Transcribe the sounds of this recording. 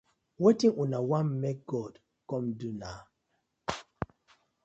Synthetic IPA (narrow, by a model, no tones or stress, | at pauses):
wetĩŋunawãnmɛk̚ɡ̥ɔd | kɔ̃mduna